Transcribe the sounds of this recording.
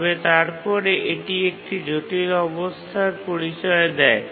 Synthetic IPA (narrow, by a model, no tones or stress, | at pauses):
bet̪aɾpɔɾeʔeʈiek̚ʈid͡ʑoʈiɾɔbost̪ʰaɾpoɾit͡ɕɔed̪ɛe